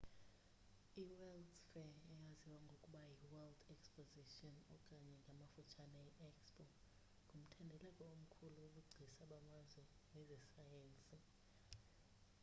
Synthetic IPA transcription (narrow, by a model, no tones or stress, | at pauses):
iwɛldfɛɛjaziwaŋɡʱokʼuɓajiwɛldɛkspoziʃʼiɔnɔkʼaɲɛŋɡʱamafut͡ʃʰanaɛʔɛkspʼɔ | ŋɡʱum̩tʰɛndʱɛlɛkʼɔom̩kʰuluːk̬ʼuɡ͡ǀʱisaɓamazwɛ | nɛzɛsajeːnt͡sʼi